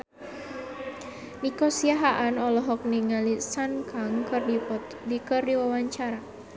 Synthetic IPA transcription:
nikɔsiaɦaʔanɔlɔɦɔk̚niŋalisankʰaŋkɨrdipɔ | dikɨrdiwawaɲt͡ʃaɾa

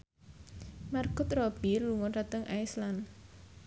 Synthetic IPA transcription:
markʊt̪rɔb̥irluŋɔrat̪əŋʔa̰jslan

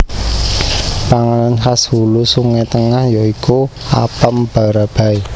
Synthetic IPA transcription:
paŋananɦashulusuŋet̪əŋahjɔikʰua̰pəmb̥a̤ɾab̥a̤i

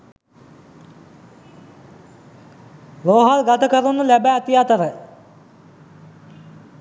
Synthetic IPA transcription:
loːɦalɡat̪əkəɾunːulæbæt̪ijat̪əɾə

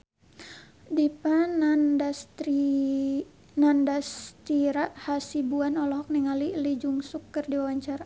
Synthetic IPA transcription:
dipanndast | nandast̪iɾaʔhasibuanɔlɔɦɔk̚niŋalilid͡ʒuŋsukːərdiawaɲt͡ʃaɾa

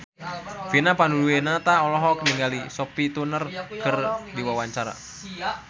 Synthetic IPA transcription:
finapanduluenat̪aɔlɔɦɔkniŋɡalisɔpit̪unərkʰərdiwawaɲt͡ʃaɾa̰

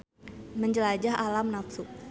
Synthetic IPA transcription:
məɲd͡ʒəlad͡ʒaɦalamnapsuk̚

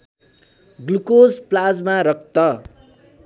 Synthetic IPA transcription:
ɡlukod͡zplad͡zmaɾʌk̚t̪ʌ

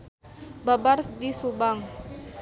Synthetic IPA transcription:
babardisubaŋ

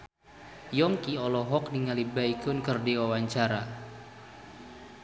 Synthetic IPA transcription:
jɔŋkiɔlɔɦɔk̚niŋalibaikʊnkərdiwawaɲt͡ʃaɾa

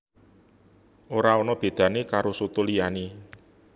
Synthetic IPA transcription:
ʔoɾaɔnɔb̥e̤d̪̥ä̤nekaɾosut̪olijane

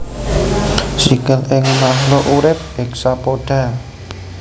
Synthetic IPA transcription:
sikəlɪŋmaɦloʔuɾɪp̚ɛksapoɖ̥ä̤

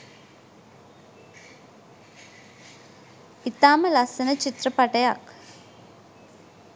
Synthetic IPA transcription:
it̪aːməlasənət͡ʃit̪rəpaʈəjak

